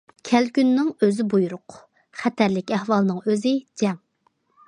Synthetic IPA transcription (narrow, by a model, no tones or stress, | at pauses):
kʲʰælkʲynːɪŋøzɪbujuɾʊq | χɛt̪ʰæɾlɪkʲɛhwɑlˠnɨŋøzɪd͡ʒɛŋ